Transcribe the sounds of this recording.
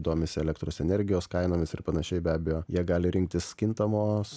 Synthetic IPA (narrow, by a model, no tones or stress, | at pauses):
d̪oːmʲɪsʲɪɛlʲɛk̚t̪ɾoːsɛnʲɛɾʲɡʲɪjoːskɐɪnoːmʲɪsɪrpɐnɐʃʲɛɪbʲæːbʲɛjoːjiɛɡɑːlʲɪɾʲɪŋk̚t̪ʲɪsʲkʲɪnt̪ɐmoːs